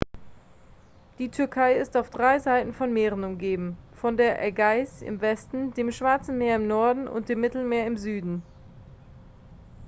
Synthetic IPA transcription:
d̥iːtʰʏɐkʰaɪɪstaʊfd̥ʁaɪzaɪtn̩fɔnmeːʁ̞ən̩ʊmɡeːbm̩fɔndeːɐʔɛɡaɪsɪ̰mvɛstn̩deːmʃv̥aɐt͡sn̩meːɐɪmnɔɐdn̩ʔʊ̰nt̚d̥eːmːɪtl̩meːɐɪmzyːdn̩

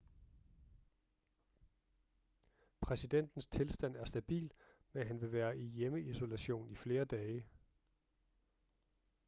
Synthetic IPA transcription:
pʰʁɛsid̥en̰d̥n̩st͡sʰe̝lsd̥æn̰æɐsd̥æb̥ḭːlmenɦænʋe̝ʋæːɐʔijeməiso̝læɕo̝̰ːnifle̝ːɐd̥ɛːɪə

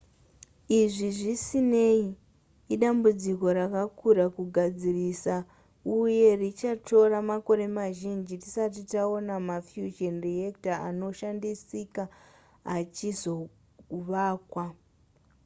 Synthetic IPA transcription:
iʐiʐisine̞iː | ɗambud͡ziko̞ɾakakuɾakuɡʱad͡zirisa | uje̞rit͡ʃatʰo̞ramako̞ɾe̞maʒind͡ʒitisatitaonamafjuʒenriektaano̞ʃandisika | at͡ʃizo̞ | uʋaːkwa

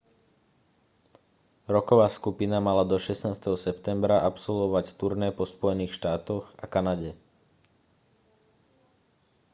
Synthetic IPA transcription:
ɾɔkɔʋaːskupinamalad̪ɔʃɛsnaːst̪ɛɦɔsɛpt̪ɛmbɾaʔapsɔlʋɔʋact̪uɾnɛːpɔspɔjɛniːxʃt̪aːt̪ɔɣakanaɟɛ

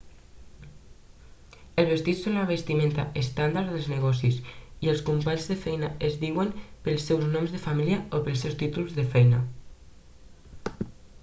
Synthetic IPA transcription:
əlzβest̪isːonlaβest̪imẽnt̪aʔest̪and̪aɾðəlzneɣ̞ɔsisielˠskumpaɲzðefɛjnaezðiwempəlˠsːewznɔmzðefamiliaopəlˠsewst̪it̪ulzðəfɛjna

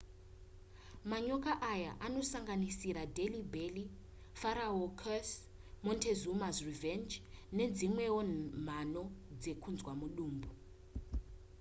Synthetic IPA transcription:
maɲɔkaʔajaʔanosaŋɡanisiɾadelibeli | faɾaɦɔkʰas | mɔntʰezumasrivɛnd͡ʒned͡zimwɛwɔnm̤anɔd͡zekʰund͡zwamuɗuːmbu

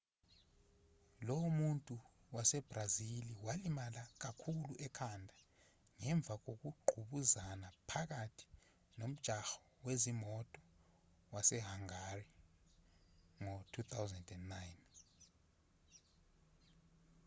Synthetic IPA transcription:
lɔwmuntʼu | wasɛb̥raziliwalimalak̬akʰuluʔɛkʰandʱa | ŋɛɱb̪vʱak̬ok̬uɡ͡ǃʱuɓuzanapʰak̬atʰi̥ | nom̩d̥ʒ̥ʱaxɔ̥ | wezimɔtʼɔ̥ | wasɛɦaŋari | ŋotʰut̪ʰawzɛndɛnːajn

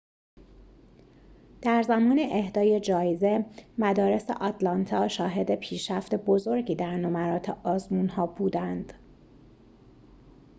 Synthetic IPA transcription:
d̪̥æɾzæmɒːneʔehd̪ɒːje̞d͡ʒɒːjeze̞mæd̪ɒːɾe̞sḛʔɒt̪ʰlɒnt̪ʰɒːʃɒːɦe̞d̪e̞pʰiːʃɾæft̪e̞bozo̞ɾɟiːd̪æɾnomæɾɒːt̪ʰeʔɒːzmuːnhɒːbuːd̪ænd̪̥

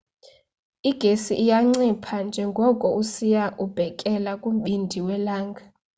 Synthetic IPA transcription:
iɡ̥ʱesiʔːjaŋ͡ǀipʰand͡ʒʱɛŋɡʱɔkʼɔusijaʔub̥ʱɛkʼɛlakʼum̩ɓindʱiwɛlaːŋɡʱa

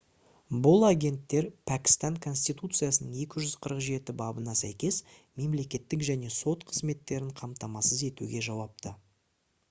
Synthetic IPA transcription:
bʊlˠaɡʲe̞nt̪ːe̞ɾpʰækʲɪ̥st̪ɑŋkʰo̞nsʲt̪it̪ut̪sɨjasənəɴe̞kʲɪʒʏz̥qʰəɾəqʒe̞t̪ɪbɑbənɑsæ̰jkʲe̞sme̞mle̞kʲe̞t̪ːɪkʒæne̞so̞t̪qʰəzme̞t̪ːe̞ɾɪɴqʰɑmt̪ɑmɑsəze̞t̪ṵɡʲe̞ʒɑwɑp̚t̪ə

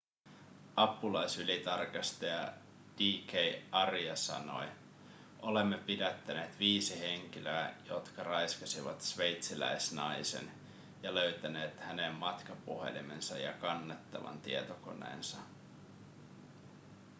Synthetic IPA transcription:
ʔɑpːulɑjsylit̪ɑrkɑst̪ejɑ | d̥iːkejɑriɑsɑ̰no̞̰j | ʔo̞le̞mːepidæt̪ːæne̞ːt̪ʋiːsiɦe̞ŋk̟iløæjo̞t̪kɑrɑjskɑsiʋɑ̰t̪sʋe̞jt̪silæ̰jsnɑjse̞̰n | jɑlø̞ɥt̪æne̞ːt̪hæne̞mːɑt̪kɑpṵhe̞̰lḭme̞̰nsɑ̰jɑ̰kɑnːet̪ːɑʋɑ̰nt̪iet̪oko̞̰ne̞̰ːnsɑ

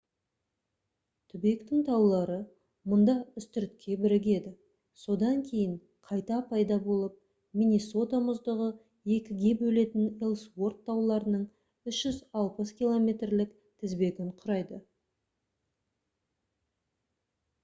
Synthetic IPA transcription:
t̪ʰʏbekt̪ɪŋt̪ʰɑwlˠɑɾə | mʊnd̪ɑʏst̪ʏɾt̪̚kʲʰːe̞bɪɾɪɡ̬ʲe̞d̪ɪ | so̞d̪ɑŋkʲʰe̞jɪɴ | qʰɑjt̪ɑpʰɑjd̪ɑbo̞lˠəp̚ | minʲiso̞t̪amʊzd̪əʁə | e̞kʲɪɡʲe̞bɵle̞t̪ɪnelˠswo̞rt̪ʰːɑwlˠɑɾənəɴ | ʏʃʒ̥ʏzɑlˠpəskʲilˠo̞mʲe̞t̪rlɪk | t̪ʰɪzbe̞ɡʲɪɴqʰʊɾɑjd̪ə

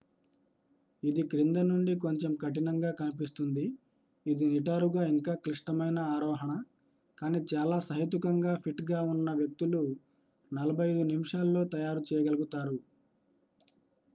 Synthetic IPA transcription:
id̪ikɾind̪ɐnuɳɖik̬o̞ɲt͡ʃemkɐʈ̬inɐŋɡaːkɐnipist̪und̪iː | d̪iniʈaːɾuɡaːiŋkaːkɾiʂʈɐmɐjnɐaːɾɔːɦɐɳɐ | kaːniːt͡ʃaːlaːsɐɦit̪̬ukɐŋɡaːpʰiʈɡaːunːɐʋjɐk̚t̪ulu | nɐlɐbʱɐjɐjd̪unimiʂaːlːo̞ːt̪ɐjaːɾut͡ʃɛːjɐɡɐlɐɡut̪aːɾu

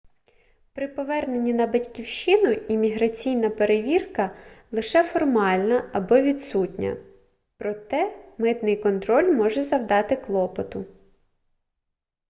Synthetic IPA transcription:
pɾɪpɔʋɛrne̞nʲːinɐbɐtʲkʲiwʃɪnʊimʲiɦɾɐt͡sʲijnɐpeɾeʋʲirkɐlˠɪʃɛfɔrmɑlʲnɐɐbɔʋʲid̪sutʲnʲɐ̰ | pɾɔt̪ɛmɪt̪nɪjkɔnt̪ɾɔlʲmɔʒɛzɐwd̪ɑt̪ɪklˠɔpɔt̪ʊ

